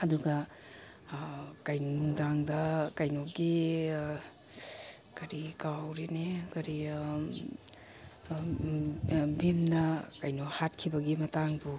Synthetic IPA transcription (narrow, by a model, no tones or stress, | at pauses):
ɐduɡɐ | kajnudaŋdɐkɐjnoɡi | kɐɾikawɾenekɐɾi | bimnɐkajnohat̚kʰibɐɡimɐtaŋbu